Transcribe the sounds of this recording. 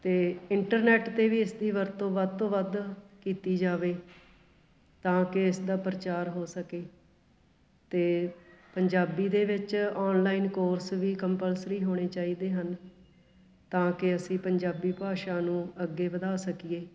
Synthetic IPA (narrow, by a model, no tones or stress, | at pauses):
t̪eːɪɳʈəɾnɛːʈt̪eːʋiːɪsd̪iːʋəɾt̪õːʋəd̪t̪õːʋəd̪kiːt̪iːd͡ʒaːʋeː | t̪ãːkɪɪsd̪aːpɾət͡ʃaːɾɦoːsəkeː | t̪eːpəɲd͡ʒaːbiːd̪eːʋɪt͡ʃɔːnlaːiːnkoːɾsʋiːkəmpəlsɾiːɦoːɽ̃eːt͡ʃaːiːd̪eːɦən | t̪ãːkɪəsĩːpəɲd͡ʒaːbiːpaːʃaːnũːəɡːeːʋəd̪aːsəkieː